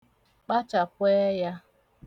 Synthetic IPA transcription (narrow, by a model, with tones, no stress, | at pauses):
k͡pa˦t͡ʃa˨pʷeː˦ja˦